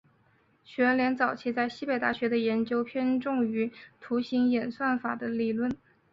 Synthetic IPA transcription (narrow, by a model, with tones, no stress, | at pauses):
ɕɥɛ˧˥ɻə˧˥nljɛ˧˥nt͡sɑ˨˩ʊt͡ɕʰi˧˥t͡sa˥˧ɪɕi˥˩pe˧˩ɪt̪a˥˩ɕɥɛ˧˥d̪ə˧jɛ˧˥nt͡ɕjo˥ʊpʰjɛ˥nʈ͡ʂʊ˥˩ŋy˧˥t̪ʰu˧˥ɕi˧˥ŋjɛ˨˩nswa˥˩nfa˨˩d̪ə˦li˨˩lwə˥˩n